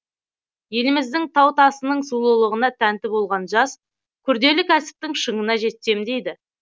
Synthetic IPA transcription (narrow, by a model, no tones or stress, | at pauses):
je̞lɪmɪzd̪ɪŋt̪ʰɑwt̪ʰɑsənəɴsulˠəlˠəʁənɑt̪ʰænt̪ɪbo̞lˠʁɑnʒɑs | kʲʰʏɾd̪e̞lɪkʲʰæsɪ̥p̚t̪ɪŋʃəɴənɑʒe̞t̪ːe̞md̪e̞jd̪ɪ